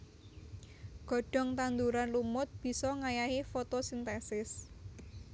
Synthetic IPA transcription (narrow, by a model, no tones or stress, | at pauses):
ɡ̥ɔ̤ɖ̥ɔ̤ŋt̪and̪uɾanlumʊt̪̚b̥i̤sɔŋajaefot̪osint̪ɛsɪs